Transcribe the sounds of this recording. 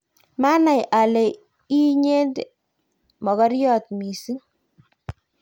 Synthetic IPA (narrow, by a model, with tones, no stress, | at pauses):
ma˦na˨jʔa˨le˨ | i˦ɲe˦nd | mɔ˨kɔ˦ɾjɔ˦˨t̪̚mi˨sɨ˦